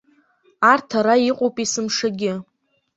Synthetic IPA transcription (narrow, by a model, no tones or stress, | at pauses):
artʰaɾaiqʼowpʼisɨmʂaɡʲɪ